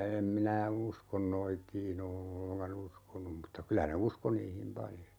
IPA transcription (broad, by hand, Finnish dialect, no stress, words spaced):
em minæ uskon noitiːn o olːeŋkɑn uskonum mutːɑ kylæ ne usko niːhim pɑljo